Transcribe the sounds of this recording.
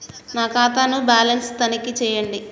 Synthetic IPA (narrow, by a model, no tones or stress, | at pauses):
naːkaːt̪aːnubaːlɐnst̪ɐnikit͡ʃɛːjɐɳɖi